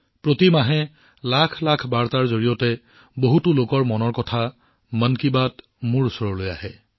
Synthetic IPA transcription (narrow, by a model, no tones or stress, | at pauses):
pɹotimaɦɛ | lakʰlakʰbaɹtaɹzoɹijɔtɛ | boɦutulokɔɹmɔnɔɹkɔtʰa | mənkibat | muɹsɔɹɔloja̰hɛ